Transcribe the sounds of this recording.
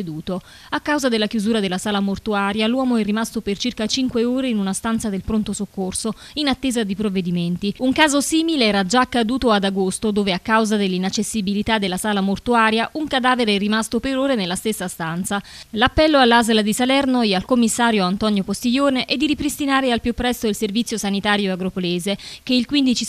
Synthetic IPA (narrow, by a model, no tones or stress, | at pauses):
d̪uːt̪o | akːawzad̪elːakjuzuːɾad̪elːasaːlamort̪uaːɾjalwɔːmoɛrːimast̪opert͡ʃirkat͡ʃiŋkweoːɾeinunast̪ant̪sad̪elpɾont̪osokːorso | inat̪ːeːzad̪ipɾovːed̪iment̪iuŋkaːzosiːmileɛːɾad͡ʒaːkːad̪uːt̪oad̪aɡost̪od̪oːveakːawzad̪elːinat͡ʃːesːibilit̪ad̪elːasaːlamort̪uaːɾjaʔuŋkad̪aːveɾeɾimast̪opeɾoːɾenelːast̪esːast̪ant̪salapːɛlːoalːazlad̪isalɛrnoɛalkomːisːaːɾjoant̪ɔnjopost̪iʎoːneʔed̪ːiɾipɾist̪inaːɾealpjupːɾɛst̪oilservit̪sjosanit̪aːɾjoaɡɾopoleːzek̟eilkwind̪it͡ʃi